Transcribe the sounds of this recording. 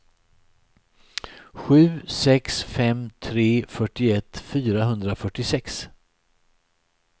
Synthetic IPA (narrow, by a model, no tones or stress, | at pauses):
ɧʉ̟ːsɛksfɛmt̪ʰɾeːfœʈːɪɛt̪ːfyːɾaɦɵnd̪ɾafœʈːɪsɛks